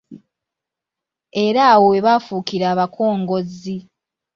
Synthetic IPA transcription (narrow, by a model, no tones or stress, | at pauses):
e̞ɾaːwoweβaːfuːkiɾaːβakʰo̞ːŋɡo̞zi